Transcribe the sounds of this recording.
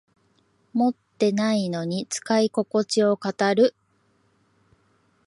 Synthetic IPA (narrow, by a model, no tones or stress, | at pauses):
mo̞t̪ːe̞naino̞ɲ̟it͡sɨ̥kaiko̞ko̞t͡ɕio̞kat̪aɾɯ̟